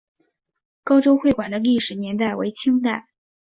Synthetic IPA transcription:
kɑ˥ʊʈ͡ʂo˥ʊxwe˥˩ɪkwa˨˩nd̪ə˦li˥˩ʂɻ̩˨˩njɛ˧˥nt̪a˥˩ɪwḛ˧˥ɪt͡ɕʰi˥ŋt̪a˥˩ɪ

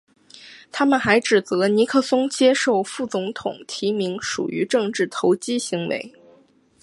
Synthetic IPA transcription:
t̪ʰa˥mə˨nxa˧˥ɪʈ͡ʂɻ̩˨˩t͡sɤ˧˥ni˧˥kʰɤ˥˩sʊ˥ŋt͡ɕjɛ˥ʂo˥˩ʊfu˥˩t͡sʊ˧˥ŋt̪ʰʊ̰˨˩ŋt̪ʰi˧˥mi˧˥ŋʂṵ˨˩y̰˧˥ʈ͡ʂɤ˥˧ŋʈ͡ʂɻ̩˥˩t̪ʰo˧˥ʊt͡ɕi˥ɕi˧˥ŋwḛ˧˥ɪ

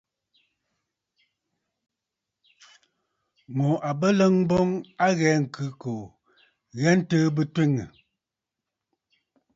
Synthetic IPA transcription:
mo˨ʔa˨bə˦lə˦ŋbo˦ŋa˦ɣɛː˨˦ŋ̩˨kʉ˨˦ko˨ | ɣɛ˦n̩˦təː˦bɨ˦twe˦ŋə˨

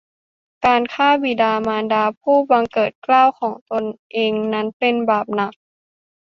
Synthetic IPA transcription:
kaː˧nkʰaː˥˩bi˨˩daː˧maː˧ndaː˧pʰuː˥˩ba˧ŋkɤː˨˩t̪̚klaː˥˩wkʰɔː˩˦ŋt̪o˧nʔeː˧ŋna˦˥npe˧nbaː˨˩p̚na˨˩˦k̚

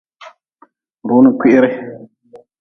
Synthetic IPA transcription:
ɾu˦nu˨kʷi˦ʔɾɛ˦

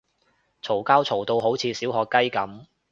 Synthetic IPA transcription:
t͡sʰo˨˩wkaː˥wt͡sʰo˨˩wt̪o˧wɦo˨˥wt͡sʰiː˨˧siː˨˥wɦɔː˨˧kːɐ˥jkɐ˨˥m

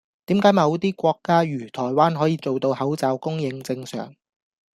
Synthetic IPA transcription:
t̪iː˨˥mkaː˨˥jmɐ˨˧wt̪iː˥kʷɔː˧kːaː˥ɥyː˨˩t̪ʰɔː˨˩jwaː˥nɦɔː˨˥jiː˧t͡so˨wt̪o˧whɐ˨˥wt͡saː˨˧wkʊ˥ŋjɪ˧ŋt͡sɪ˧ŋsœ̰ː˨˩ŋ

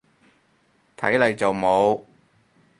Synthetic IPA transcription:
t̪ʰɐ˨˥jlɐ˨jt͡sɐ˨wmo˨˧w

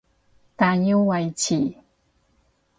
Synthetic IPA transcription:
t̪a˨ɲu˦wa˧jt͡ɕi˨

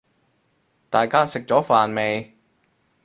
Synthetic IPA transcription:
t̪aː˨jkaː˥sɪ˨k̚t͡ʃɔː˨˥faː˨nme˨˧j

